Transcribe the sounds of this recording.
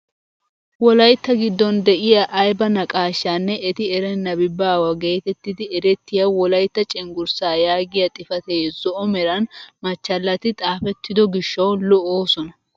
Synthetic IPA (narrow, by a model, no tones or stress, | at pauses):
wɔlɐjt̪ːɐɡɪd̪ːɔnd̪ɛʔɪjɐʔɐjbɐnɐkʼaːʃːanːɛʔɛt̪ɪɛɾɛnːɐbɪbːaːwɐɡe̞ːt̪ɛt̪ːɪd̪ɪɛɾɛt̪ːɪjɐwɔlɐjt̪ːɐt͡ʃʼɪŋɡʊɾsaːjaːɡɪjɐt̪ʼɪfɐt̪eːzɔʔɔmɛɾɐnmɐt͡ʃːɐlːɐt̪ɪt̪ʼaːfɛt̪ːɪd̪ɔɡɪʃːɐwlɔʔoːsɔnɐ